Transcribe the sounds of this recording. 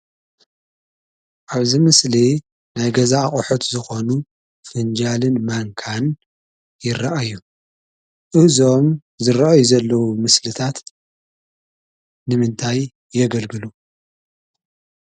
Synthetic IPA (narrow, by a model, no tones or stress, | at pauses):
ʔaβzimɨsli | najɡɐzaːχʼħut̪zɨxo̞nu | fɨnd͡ʒalɨnmaŋkʰan | jɪraʔajːu | ʔɨhzo̞m | zɨɾaajuzɐlːɐwumɨslɨt̪ʰat̪ | nɨmɨnt̪ʰajː | ɛɡɐlɡɨlu